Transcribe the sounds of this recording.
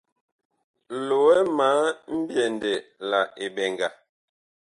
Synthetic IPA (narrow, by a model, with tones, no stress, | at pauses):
lo˨wɛ˦ma˨˦m̩˦bjɛ˨ndɛ˨la˨e˨bɛ˨ŋɡa˨